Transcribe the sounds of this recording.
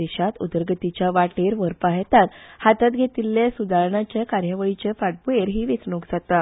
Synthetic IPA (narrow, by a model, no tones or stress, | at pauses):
eɕat̪ud̪əɾɡət̪it͡ɕjaʋaʈeɾʋəɾpaɦet̪anhat̪at̪̚ɡʱet̪ilːjasud̪ʱaɾɳat͡ɕjakaɾjəʋəɭit͡ɕefaʈ̚bueɾɦiːʋet͡sɳokd͡zat̪a